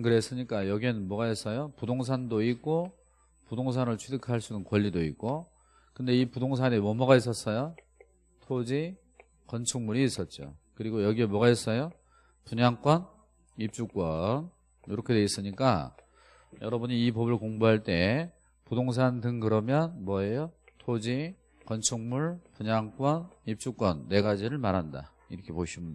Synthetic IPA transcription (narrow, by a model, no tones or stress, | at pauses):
kɯɾe̞s͈ɯɲik͈ajʌɡienmwʌɡaes͈ʌjopudoŋs̬ʰandoik͈o | pudoŋs̬ʰanɯɭt͡ɕʰwedɯkʰaɭs͈unɯnkwʌʎːidoik͈o | kɯnde̞ipudoŋs̬ʰanemʌmʌɣais͈ʌs͈ʌjo | tʰod͡ʑi | kʌnt͡ɕʰuŋmuɾiːs͈ʌt̚t͡ɕ͈o̰kɯɾiɡojʌɡiemwʌɡaɦes͈ʌjo | puɲaŋk͈wʌn | ip̚t͡ɕ͈uk͈wʌn | joɾʌkʰe̞de̞is͈ɯɲik͈a̰ | jʌɾʌbuɲiːpʌbɯɭkoŋboɦaɭt͈e̞ | pudoŋs̬ʰandɯŋkɯɾʌmjʌnmwʌejotʰod͡ʑi | kʌnt͡ɕʰuŋmuɭpuɲaŋk͈wʌnip̚t͡ɕ͈uk͈wʌnːe̞ɡad͡ʑiɾɯɭmaɾɦanda̰ | iɾʌkʰe̞poɕʰimund